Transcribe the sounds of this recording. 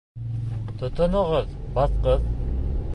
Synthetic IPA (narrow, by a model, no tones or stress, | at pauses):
t̪ŏt̪ŏnŏʁɤðbɑt̪qɤð